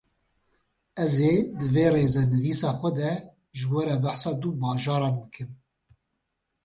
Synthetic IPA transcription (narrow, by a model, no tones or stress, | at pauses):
ɛzeːd̪ɨveːreːzɛnɨviːsɑːxʷɛd̪ɛ | ʒɨwɛɾɛbæħsɑːd̪ubɑːʒɑːɾɑːnbɨkʰɨm